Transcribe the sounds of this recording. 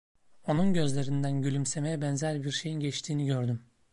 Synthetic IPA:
o̞nunɟø̞zlʲe̞ɾind̪ænɟylʲymse̞mejɛbɛnzæɾʲbiɾʃe̞jinɟɛt͡ʃt̪ʰiːniɟø̞ɾd̪ym

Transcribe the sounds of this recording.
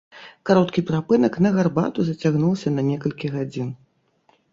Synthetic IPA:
kaɾɔt̪kʲipɾapɨnɐknɐɣarba̰t̪uzɐt͡sʲaɣnulˠsʲɐnɐnʲɛkɐlʲkʲiɣad͡zʲin

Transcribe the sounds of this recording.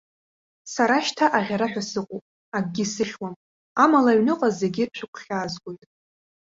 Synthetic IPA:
saɾaʃtʰaʔaʁʲaɾaħʷᶣasɨqʷʼopʼ | aɡ̚ɡʲisɨχʲwam | amalaɥnɨqʼaze̞ɡʲirt͡ʃʷʰɨkʷʰχʲaːzɡʷʼo̞jtʼ

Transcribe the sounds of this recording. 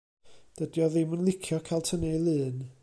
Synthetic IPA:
d̥ədjɔðɪmənlˠɪkʰjɔkʰalˠtʰənelˠɨːn

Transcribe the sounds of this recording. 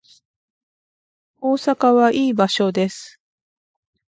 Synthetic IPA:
o̞ːsakaβaʔiːbaɕo̞d̪e̞sɨ̥

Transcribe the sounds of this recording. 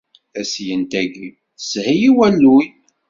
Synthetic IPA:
æsjənt̪æɡi | shijiwælːuj

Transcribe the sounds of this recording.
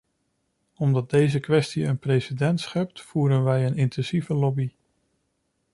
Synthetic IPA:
ɔmdɑd̚dejzəkʋɛstiənprejsidɛntsχɛp̚tfuːɾənʋɛjənɪntɛnzivəlɔbi

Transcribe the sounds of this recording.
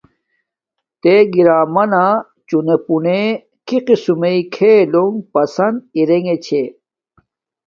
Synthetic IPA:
t̪eɡiɾaːmɐna | t͡ɕunepune | kiqisumeikʰeːloŋpɐsɐnd̪iɾeŋet͡ɕʰe

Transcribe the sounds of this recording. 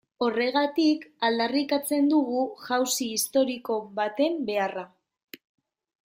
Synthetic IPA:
o̞re̞ɣ̞at̪ikald̪arikat͡se̞nd̪uɣuʝawsiːst̪o̞ɾiko̞βat̪e̞mbe̞ara

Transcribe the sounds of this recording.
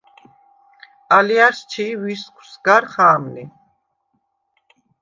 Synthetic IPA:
aliast͡ʃʰiviskʰwsɡaɾχaːmli

